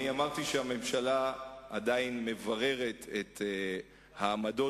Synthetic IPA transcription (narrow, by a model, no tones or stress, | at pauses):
niamaʁt̪iʃeame̞mʃalaadainme̞vaʁe̞ʁe̞t̪ʰet̪ | haːmado̞